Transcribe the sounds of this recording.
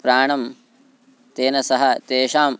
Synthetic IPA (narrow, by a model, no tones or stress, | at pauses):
pɾaːɳɐm | t̪eːnɐsɐɦɐt̪eːʃaːm